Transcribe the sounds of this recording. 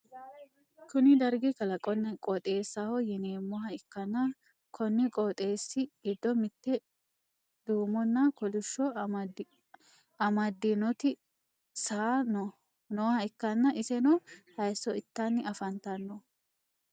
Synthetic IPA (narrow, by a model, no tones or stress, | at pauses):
kʊnɪd̪ɐɾɡɪkɐlɐkʼɔnːɐkʼɔt̪ʼeːsːahɔjɛneːmːɔhɐɪkːɐnːɐ | kʰɔnːɪkʼoːt̪ʼeːsːɪɡ̥ɪd̪ːɔmɪt̪ːɛ | d̪̥uːmɔnːɐkɔlʊʃːɔ | ɐmɐd̪ːɪnɔt̪ɪ | saːnɔ | noːhɐɪkːɐnːɐʔɪsɛnɔhɐjsːɔɪt̪ːɐnːɪʔɐfɐnt̪ɐnːɔ